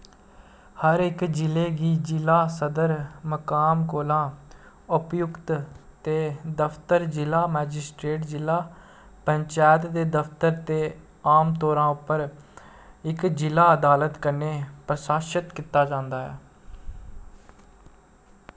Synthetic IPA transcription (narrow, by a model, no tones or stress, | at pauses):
həɾɪkd͡ʒɪleːɡiːd͡ʒɪlaːsəd̪əɾməkaːmkoːlãː | ʊpjʊkt̪t̪eːd̪əfʰt̪əɾd͡ʒɪlaːmɛːd͡ʒɪsʈɾeːʈd͡ʒɪlaː | pəɲt͡ʃaːjt̪d̪eːd̪əft̪əɾt̪eː | aːmt̪ɔːɾãːʊpːəɾ | ɪkd͡ʒɪlaːəd̪aːlət̪kəɾneːpɾəsaːʃət̪kɪt̪ːaːd͡ʒãːnd̪aːɦɛ̰ː